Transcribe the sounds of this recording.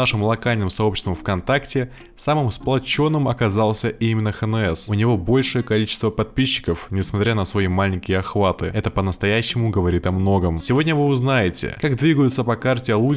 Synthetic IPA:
aʂɨmlˠɐkalʲnɨmsɐo̞pɕɪst̪vəmfkɐnt̪aktʲɪ | samɨmsplˠɐt͡ɕo̞nːɨmɐkɐzalˠsʲəʔimʲɪnːəxənɛsʊnʲɪvo̞bo̞lʲʂɨjəkɐlʲit͡ɕɪst̪vəpɐt̪̚pʲiɕːɪ̥kəfnʲɪsmɐt̪ɾʲanəsvɐimalʲɪŋʲkʲɪjəɐxvat̪ɨɛt̪əpənəst̪ɐjæɕːɪmʊɡəvɐɾʲit̪ɐmno̞ɡəmsʲɪvo̞dʲnʲəvɨʊznajɪtʲɪ̰kaɡd̪vʲiɡəjʊt̪səpɐkartʲɪɐlˠu

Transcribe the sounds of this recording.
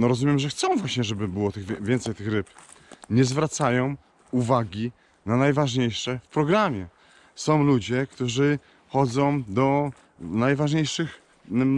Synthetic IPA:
nɔɾɔzumʲjɛmʐɛxt̪sɔ̃w̃vwaɕɲɛʐɛbɘbɘwɔt̪ɘɣvʲvʲjɛnt̪sɛjt̪ɘxɾɘp | ɲɛzvɾat̪sajɔ̃w̃ | uvaɡʲi | nanajvaʐɲejʂɛfpɾɔɡɾamʲjɛ | sɔ̃w̃lud͡ʑɛkt̪uʐɘ | xɔd̪zɔ̃w̃d̪ɔ | najvaʐɲejʂɘx

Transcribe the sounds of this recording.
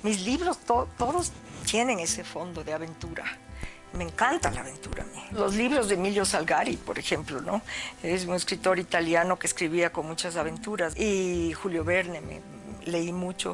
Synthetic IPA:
mizliβɾost̪ot̪o̞ðost̪je̞neŋe̞se̞fo̞nd̪o̞ðeaβe̞nt̪uɾa̰ | meŋkant̪ala̰aβe̞nt̪ṵɾa̰milo̞zliβɾozðemiljo̞salɣaɾipo̞ɾexe̞mplo̞noees̬uŋeskɾit̪o̞ɾit̪aljano̞keːskɾiβiako̞nmut͡ʃas̬aβe̞nt̪uɾasixuljo̞βe̞ɾnemḛ | le̞imut͡ʃo̰

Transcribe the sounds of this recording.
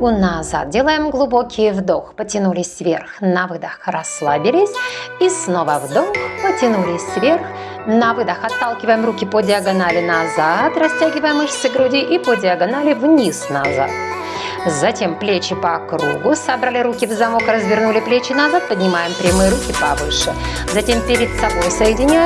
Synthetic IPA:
unɐza̰t̪̚dʲelˠajɪmɡlˠʊbo̞kʲɪjvd̪oxpətʲɪnulʲɪsʲvʲe̞̰rxnɐvɨd̪əxrɐslˠabʲɪlʲɪsʲisno̞vəvd̪oxpətʲɪnulʲɪsʲvʲe̞rx | nɐvɨd̪əxɐt̪ːalˠkʲɪvəjɪmrukʲɪpədʲɪɐɡɐnalʲɪnɐzat̪rɐsʲtʲæɡʲɪvəjɪmɨxsʲəɡɾʊdʲiʔipədʲɪɐɡɐnalʲɪvnʲisnɐza̰t̪̚ | zɐtʲe̞mplʲet͡ɕːɪpɐkɾṵɡʊsɐbɾalʲɪɾukʲɪvzɐmo̞krəzvʲɪrnulʲɪplʲet͡ɕːɪnɐzat̪̚pədʲnʲɪmajɪmpɾʲɪmɨjɪɾukʲɪpɐvɨ̰ʂɨ | zɐtʲe̞mpʲɪɾʲɪt̪sɐbo̞jsəjɪdʲɪnʲa

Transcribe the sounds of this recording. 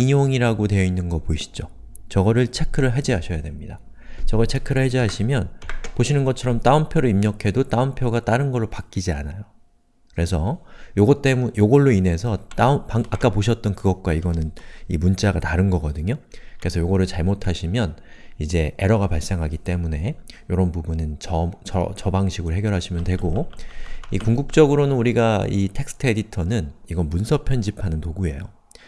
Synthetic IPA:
iɲoŋiɾaɡotwe̞ʌinːɯnɡʌpoiɕʰi̥d͡ʑo | t͡ɕʌɡʌɾɯɭt͡ɕʰe̞kʰɯɾɯɭɦed͡ʑiɦaɕʰʌjadwe̞mɲida | t͡ɕʌɡʌɭt͡ɕʰe̞kʰɯɾɯɭɦed͡ʑiɦaɕʰimjʌnpoɕʰinɯnɡʌt͡ɕʰʌɾʌmt͈aɯmpʰjoɾoimɲʌkʰe̞dot͈aɯmpʰjoɡat͈aɾɯnɡʌɭːopak͈id͡ʑia̰najo | kɯɾe̞sʰʌjoɡʌt͈e̞mujoɡʌɭːoine̞sʰʌt͈apaŋak͈apoɕʰʌt̚t͈ʌnkɯɡʌt̚k͈waiɡʌnɯnimunt͡ɕ͈aɡataɾɯnɡʌɡʌdɯɲokɯɾe̞sʰʌjoɡʌɾɯɭt͡ɕaɭmotʰaɕʰimjʌnid͡ʑe̞eɾʌɡapaɭs͈e̞ŋɦaɡit͈e̞mune̞joɾʌnbubunɯnt͡ɕʌt͡ɕʌt͡ɕʌbaŋɕʰiɡɯɾɦe̞ɡjʌɾɦaɕʰimjʌntwe̞ɡo | ikuŋɡuk̚t͡ɕ͈ʌɡɯɾonɯnuɾiɡaitʰe̞k̚s͈ʰɯ̥tʰe̞ditʰʌnɯniɡʌnmunsʰʌpʰjʌnd͡ʑipʰanɯnpoɡue̞jo

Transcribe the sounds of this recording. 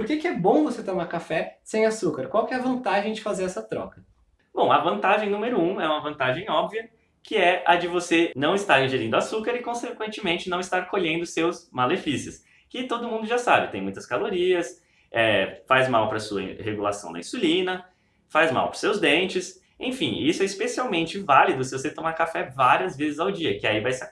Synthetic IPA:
poɾkekɪɛbõw̃voset̪õmakafɛsẽj̃asukɐɾkwawkɪɛɐvɐ̃nt̪aʒẽj̃d͡ʒɪfazeɾɛsɐt̪ɾɔ̰kɐ | b̥õw̃ɐvɐ̃nt̪aʒẽj̃nũmeɾʊũɛũmɐvɐ̃nt̪aʒẽj̃ɔbviɐ | kɪɛɐd͡ʒɪvosenɐ̃w̃ɪst̪aɾĩʒeɾĩd̪ʊasukaɾɪkõsekwẽnt͡ʃɪmẽnt͡ʃɪnɐ̃w̃ɪst̪aɾkoʎẽnd̪ʊsewsmalefisɪs | kɪt̪od̪ʊmũnd̪ʊʒasabɪt̪ẽj̃mũj̃t̪ɐ̥skaloɾiɐs | ɛfajzmawpɾɐsuɐ̰heɡula̰sɐ̃w̃d̪ɐ̰ĩsulĩnɐ | fajzma̰wpɾʊsewzd̪ẽnt͡ʃɪs | ḛ̃j̃fĩisʊɛispesiawmẽnt͡ʃɪvalid̪ʊsɪvoset̪omaɾkafɛvaɾiɐzvezɪzawd͡ʒiɐkɪaivajsa

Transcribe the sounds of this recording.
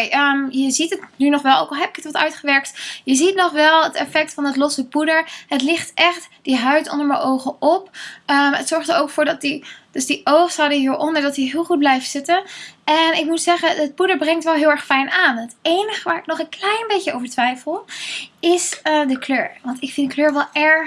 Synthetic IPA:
jəmjəzitətnynɔχʋɛlˠowkɑlˠɦɛpɪkətʋɑtœ̰ɥtχəʋɛɹk̚tjəzitnɔχʋɛlˠətɛfɛk̚tfɑnətlɔsəpudəɹɦətlɪχtɛχtd̥iɦœɥtɔ̰ndəɹməʔowχəɔpəətsɔɹχtəɹowkfʊːɹdɑtid̥əzdiʔowχsadəɦiːɹʔɔndəɹdɑtiɦɪːlˠχut̚blɛjftsɪtənʔɛnɪk̚mutsɛχənət̚pudəɹbrɛŋtʋɛlˠɦɪːlˠɛɹχfɛjnaːnɦətejnəχəʋaːɹɪknɔχənklɛjnbejcəowvəɹtʋɛjfəlˠɪsədəkløːɹʋɑntɪkfɪndəkløːɹʋɛlˠɛɹ

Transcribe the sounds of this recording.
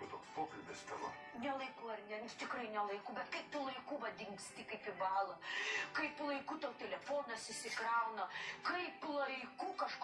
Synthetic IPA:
t̪oːkspoːkɐlʲbʲɪst̪ɐʋo̰ | nʲɛlˠɐɪkuːɐrnʲɛt̪ʲɪkrɐɪnʲɛlˠɐɪkuːbʲɛt̪kɐɪpt̪ʊlˠɐɪkuːʋɐd̪ʲɪŋkst̪ʲɪkɐɪpɪbɑːlˠɐkɐɪplˠɐɪkuːt̪ɐʊt̪ʲɛlʲɛfoːnɐsɪsʲɪkɾɐʊnɐkɐɪplˠɐɪkuːkɐʃk

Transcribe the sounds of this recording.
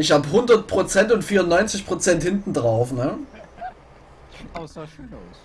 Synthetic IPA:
ɪç̬haːbəɦʊndɐt̚pʁ̥ot͡sɛntʊntfiːɐʊnːɔʏnt͡sɪçpʁ̥ot͡sɛnthɪntn̩dʁaʊfnə

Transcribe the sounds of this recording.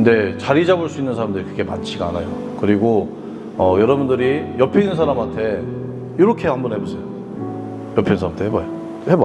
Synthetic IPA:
knde̞t͡ɕaɾid͡ʑabuɭs͈uinːɯnsʰaɾamdɯɾikɯɡe̞mat͡ɕʰiɡaanajo | kɯɾiɡo | ʌjʌɾʌbundɯɾijʌpʰeinɯnsʰaɾamantʰe̞ | juɾʌkʰe̞hambʌnhe̞busʰejo | jʌpʰensʰaɾamtʰehebajo | heba

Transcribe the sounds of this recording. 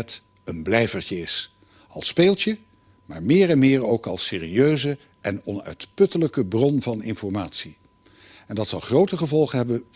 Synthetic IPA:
t | ənblɛjvəɹt͡ʃəɪs | ɑ̰lˠspeːlˠtə | maːɹmɪːɹɛnmɪːɹowkɑlˠseːriøɥzə | ʔɛnɔnœ̰ɥtpɵtələkəbrɔnvɑnɪnfɔɹmaːtsi | ɛndɑtsɑlˠχrowtəχəvɔlˠχənɦɛbən

